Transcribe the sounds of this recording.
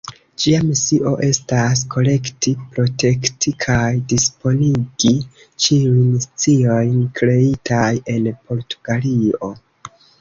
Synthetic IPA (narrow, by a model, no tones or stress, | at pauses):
d͡ʒiamesiʔo̞ʔe̞stas̬kʰo̞le̞ktipɾo̞tʰe̞ktʰikʰajdispo̞niɡi | t͡ʃiujnst͡sio̞jnkɾe̞itʰaje̞npʰo̞ɾtuɡ̥alio̞̰